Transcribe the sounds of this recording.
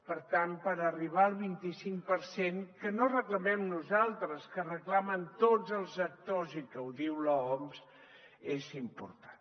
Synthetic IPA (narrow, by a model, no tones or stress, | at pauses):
pəɾt̪anpəɾəriβ̞aəlˠβint̪isiŋk̚pəɾseŋkənorəkləmɛmnuzalˠt̪ɾəskərəklamənt̪od͡zəlˠzək̚t̪ozikəwðiwlɔɔms | ezimpṵɾt̪ḁn